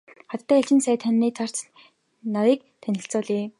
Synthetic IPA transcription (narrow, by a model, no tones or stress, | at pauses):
χat̪t̪ʰːæːɬt͡ɕɪ̆nsæːt̪ʰanːiːt͡sʰar̥t͡s | nawiːk̚ | t̪ʰænʲɪ̆ɬt͡sʊːɮeː